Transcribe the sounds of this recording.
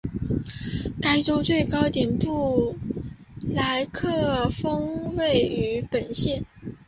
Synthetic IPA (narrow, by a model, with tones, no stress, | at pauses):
ka˥ɪʈ͡ʂo˥ʊt͡swe˥˩ɪkɑ˥ʊt̪jɛ˨˩npu˥˩ | la˧˥ɪkʰɤ˥˩fɤ˥ŋwe˥˩ɪy˧˥pə˨˩nɕjɛ˥˩n